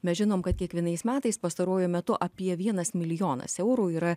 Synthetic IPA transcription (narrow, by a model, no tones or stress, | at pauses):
mʲɛsʲʒʲɪnoːmkɐt̪̚kʲiɛkʋʲiɛnɐɪsmʲæːt̪ɐɪspɐst̪ɐɾuɔjʊmʲɛt̪ʊʔɐpʲiɛʋʲiɛnɐsmʲɪlʲɪjoːnɐ̰sɛʊɾuːiːɾɐ